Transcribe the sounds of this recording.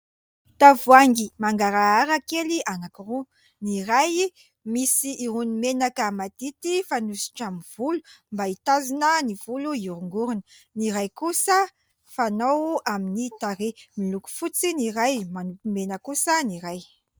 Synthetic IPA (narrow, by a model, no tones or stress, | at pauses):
t̪avuaŋɡimaŋɡaɾaaɾakelianakiru | niɾaj | misiʔːɾunimenakəmad̪̥it̪ifanusi̥ʈ͡ʂamiv̥ulumbait̪azinəniv̥uluiuɾuŋɡuɾunə | niɾajkusə | fanowaminit̪aɾemiluku̥fut͡siniɾajmanupimenəkusəniɾaj